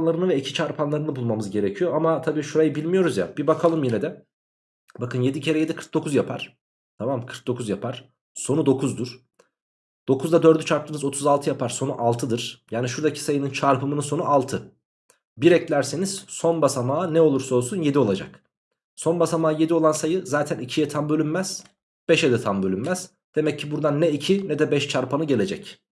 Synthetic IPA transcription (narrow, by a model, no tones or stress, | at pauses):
nlˠaɾɯnɯvɛicʰi̥t͡ʃʰaɾpʰanlˠaɾɯnɯbulˠmamɯzɟe̞ɾecʰijo̞amat̪ʰabiːʃuɾajɯbilʲmijo̞ɾuzja̰bibakʰalˠɯmjinɛd̪ɛ | bakʰɯnje̞d̪icʰe̞ɾɛje̞d̪ikʰɯɾk̚d̪o̞kʰuzjapʰaɾ̥ | t̪ʰamamkʰɯɾk̚d̪o̞kʰuzjapʰaɾ̥ | so̞nud̪o̞kʰuzd̪uɾ̥ | d̪̥o̞kuzd̪ad̪øɾd̪yt͡ʃʰaɾp̚t̪ɯmɯzo̞t̪ʰuzalˠt̪ʰɯjapʰaɾso̞nuʔalˠt̪ʰɯd̪ɯɾ̥jaːniʃuɾd̪acʰi̥sajɯnɯnt͡ʃʰaɾpʰɯmɯnɯso̞nuʔalˠt̪ʰɯ | biɾɛclʲæɾseniz̥so̞nbasamaːnɛo̞lˠuɾso̞lˠsunje̞d̪io̞lˠad͡ʒa̰k | so̞nbasamaːje̞d̪io̞lˠansajɯzaːt̪ʰænicʰijɛt̪ʰambø̞lʲymmæz̥ | b̥ɛʃed̪ɛt̪ʰambølʲymːæz̥ | d̪̥e̞mɛcʰːibuɾd̪anːɛicʰinɛd̪ɛbɛʃt͡ʃʰaɾpʰanɯɟe̞lʲe̞d͡ʒɛc